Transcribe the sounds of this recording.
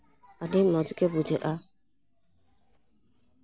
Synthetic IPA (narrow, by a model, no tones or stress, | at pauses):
adɪm̩mɔd͡ʒʊkebud͡ʒeʔa